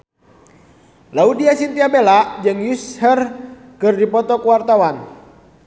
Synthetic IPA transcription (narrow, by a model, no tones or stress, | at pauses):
laudiasint̪iabelaʔd͡ʒɨŋjushər | kɨrdipɔt̪ɔkuwart̪awan